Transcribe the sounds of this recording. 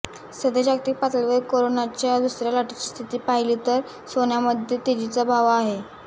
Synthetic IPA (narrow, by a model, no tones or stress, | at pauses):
səd̪ed͡ʑakt̪ik̚pat̪əlʋeɾkoɾonat͡ɕjaʋusɾjaləʈit͡ɕi̥ːst̪ʰit̪iːpaɦiliːt̪əɾ | sonjaməd̪ʱjet̪ed͡ʑit͡səbʱaʋaɦe